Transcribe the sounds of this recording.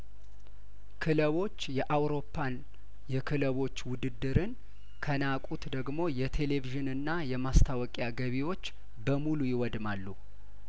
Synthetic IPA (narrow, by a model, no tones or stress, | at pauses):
kʰɨləβo̞t͡ʃːjɛʔawɾo̞pʰːan | jɛkʰɨləβo̞t͡ʃːwʊd̪ɨd̪ːɨɾɨn | kʰənakʼut̪d̪əɡmo̞jɛt̪ʰe̞le̞viʒɨnɨnːajɛmast̪ʰawɔkʼjaɡəβiwo̞t͡ʃː | bəmulujɪwɔd̪malːu